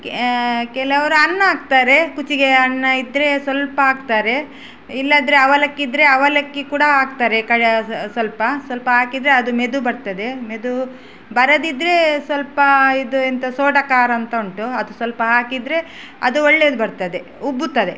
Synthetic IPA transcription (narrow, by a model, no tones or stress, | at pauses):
kkɛlɐʋɐɾuɐnːɐaːk̚t̪aːɾe̞kut͡ʃiɡe̞ɐnːɐid̪ɾe̞sʋɐlpɐaːkt̪aːɾe̞ | ilːɐːd̪ɾeɐʋɐlɐkːid̪ɾe̞ɐʋɐlɐkːikuːɽɐɦaːk̚t̪aːɾekɐɽesʋɐlpɐsʋɐlpɐɦaːkid̪ɾeɐd̪ume̞d̪ubɐɾt̪ɐd̪e̞me̞d̪u | bɐɾɐd̪id̪ːɾe̞sʋɐlpɐid̪uent̪ɐsoːɖɐkaːɾɐɐnt̪ɐuɳʈuɐd̪usʋɐlpɐɦaːkid̪ɾe̞ | ɐ̰d̪uoɭːeːd̪ubɐɾt̪ɐd̪e̞ | ubːut̪ːɐd̪e̞